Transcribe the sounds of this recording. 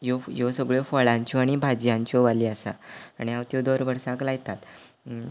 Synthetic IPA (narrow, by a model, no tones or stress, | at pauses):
jojosəɡɭefɔɭãɲt͡ɕoaɽ̃ibʱad͡ʑjãɲt͡ɕoʋaliːasa̰ːɽ̃iawt̪jod̪oɾʋəɽsãklajt̪at̪